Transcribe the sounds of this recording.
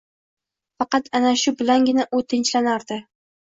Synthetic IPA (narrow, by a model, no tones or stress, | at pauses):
fɑqɑt̪ʰanaʃʊbɪlanɡʲɪnaʔʊt̪ʰɪnt͡ʃlanaɾd̪ɪ